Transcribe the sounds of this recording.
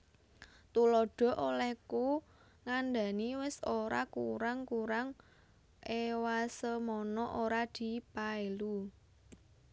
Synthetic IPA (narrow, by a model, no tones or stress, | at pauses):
t̪ulɔɖ̥ɔ̤ʔolɛku | ŋand̪a̤niwɪsoɾakṵɾaŋkuɾaŋ | ewasəmɔnɔʔoɾad̪̥i̤paelu